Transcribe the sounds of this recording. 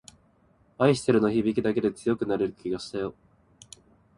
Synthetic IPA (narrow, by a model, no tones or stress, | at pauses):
aiɕi̥t̪eɾɯ̟no̞çibʲikʲid̪ake̞d̪e̞t͡sɨjo̞kɯ̟naɾe̞ɾɯ̟kʲiɡaɕi̥t̪ajo̞